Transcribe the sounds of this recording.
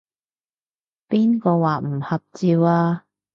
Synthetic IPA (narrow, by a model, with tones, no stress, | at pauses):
piː˥nkɔː˧waː˨˩m̩˨˩hɐ˨p̚t͡siː˧waː˧